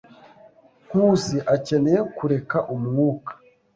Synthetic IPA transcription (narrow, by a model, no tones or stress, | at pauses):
kusiʔace̞nejekuɾe̞kaʔumŋuːkḁ